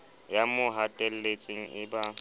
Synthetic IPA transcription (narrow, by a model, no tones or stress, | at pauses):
jamʊɦatʼɛl̩let͡sʼɪŋ̩ɪba